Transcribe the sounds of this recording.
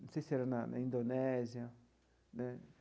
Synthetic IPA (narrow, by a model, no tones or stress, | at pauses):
siseɾanãñ̰ĩnd̪onezja | nẽ